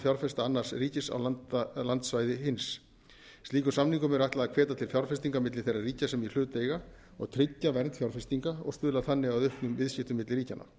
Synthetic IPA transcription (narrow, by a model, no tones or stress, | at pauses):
fjawɾfɛst̪aanːar̥sriːcɪsa̰walant̪svaːjðɪɦɪns | t̪liːkʏsamniŋkʏmɛɾajht̪laðakʰvɛːt̪at̪ʰɪlfjawɾ̥fɛst̪iŋkamɪt̪lɪθejrːariːcasɛmil̥ʏːt̪ejɣa | ɔ̰ɣt̪ʰɾɪcːavɛɾnt̪fjawɾ̥fɛst̪iŋkaɔ̰ɣst̪ʏːðlaðθanːɪɣawðʏhpnʏmvɪðscɪht̪ʏmɪt̪lɪɾriːcana̰